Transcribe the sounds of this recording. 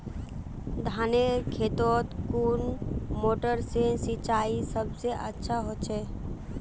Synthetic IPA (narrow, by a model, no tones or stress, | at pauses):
d̪ʱaːnekʰeːt̪oːt̪kuːnmoːʈəɾsesit͡ʃaːisəbseʔətːʃʰaɦoːt͡ʃʰɛː